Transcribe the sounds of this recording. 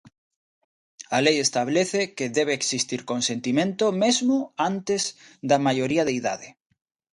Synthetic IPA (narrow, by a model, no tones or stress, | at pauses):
alejest̪aβleθekeðeβ̞eːksist̪iɾkonsent̪imẽnt̪omezmoant̪ezd̪amajoɾiaðeiða̰ðe